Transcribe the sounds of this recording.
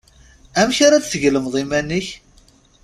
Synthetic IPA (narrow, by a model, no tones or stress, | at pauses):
æmçaɾæt͡sθəʝləmðˤimænːiç